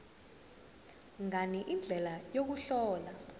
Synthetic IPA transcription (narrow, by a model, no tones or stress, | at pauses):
ŋaniʔind͡ɮʱɛlajok̬uɬɔːla